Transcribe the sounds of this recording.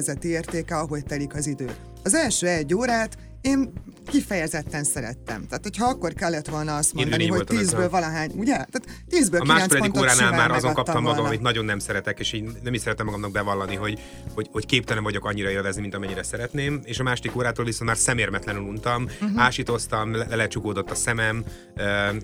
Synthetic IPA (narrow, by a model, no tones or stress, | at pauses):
zɛt̪ieːrt̪eːkɛɒɦo̞ct̪ɛlikɒzid̪øː | ɒzɛlʃøːɛɟːoːɾaːt̪ | eːn | kifɛjɛzɛt̪ːɛnsɛɾɛ̰t̪ːɛ̰mt̪aːt̪ho̞chɒɒkːo̞rkɛlːɛt̪ʋo̞lnɒɒst̪moːnneiɲolt̪ːiːzbøːlvɒlɒɦaːɲuɟɛt̪aːt̪ | t̪iːzbøːlɒmaːolɛd̪ik̪ːɾaːnaːlmaːɾɒzoŋkɒp̚t̪ɒmːɒɡɒmɒmit̪nɒɟo̞nːɛmsɛɾɛt̪ɛkeːʃiːɟnɛmiʃsɛɾɛt̪ːɛmːɒɡɒmnɒɡ̚bɛvɒlːɒniɦo̞ɟ | ho̞ɟho̞ckeːp̚t̪ɛlɛmvɒɟo̞kɒɲːiɾɒeːlvɛznimint̪ɒmɛɲːiɾɛsɛɾɛt̪neːmeːʃɒmaːʃod̪ikoːɾaːt̪oːlvisont̪maːrsɛmeːrmɛt̪lɛnylunt̪ɒmaːʃit̪o̞st̪ɒmlɛlɛlɛt̪t͡ʃukoːd̪o̞t̪ːɒsɛmɛm | ø